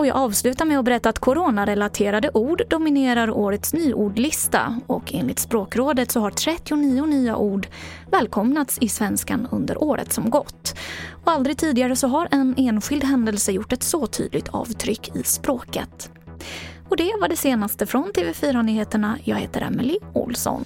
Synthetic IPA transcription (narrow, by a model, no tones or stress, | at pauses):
ɔjɑ̰ːɡɑːvslʉ̟ːt̪aɾmɛɔbɛɾɛt̪ːaːt̪kʰʊɾoːnaɾɛlat̪ʰeːɾad̪əʔuːɖːʊmɪneːɾaɾoːɾət̪snyːʔuːɖlɪst̪a̰ɔ̰kʰḛːnlɪ̰t̪spɾoːkɾoːd̪ət̪sɔɦaʈʰɾɛt̪ːɪʊniːʊnyːa̰ʔuːɖ | vɛːlkʰɔmnat̪sɪsvɛnska̰nɵ̰nd̪ə̰ɾʔoːɾə̰t̪sɔmɡɔt̪ːɔald̪ɾɪɡ̚t̪ʰiːd̪ɪɡaɾəsɔɦaɾʔɛneːnɧɪld̪ɦɛnd̪əlsəjʊʈːɛt̪sɔt̪ʰy̰ːd̪lɪɡ̚t̪ʰɑ̰ːvt̪ʰɾʏkːʰɪ̰spɾoːkə̰t̪ | ɔd̪ɛvaɖɛseːnast̪əfɾɔnt̪ʰeːvɛfyːɾanyːheːt̪əɳajɑ̰ːɡhḛːt̪əɾʔɛ̰mɪlɪʊ̰lsɔ̰n